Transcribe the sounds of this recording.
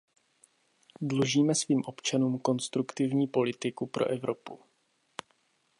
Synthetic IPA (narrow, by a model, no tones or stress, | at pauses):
dluʒiːmɛsviːmʔo̞pt͡ʃanuːmko̞nst̪ɾukt̪ɪvɲiːpo̞lɪt̪ɪkupɾʔo̞̰ʔɛvɾo̞pu